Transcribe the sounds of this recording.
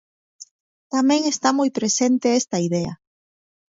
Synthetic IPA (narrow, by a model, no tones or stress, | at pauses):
t̪amẽŋest̪amojpɾesent̪eest̪ɐiðea̰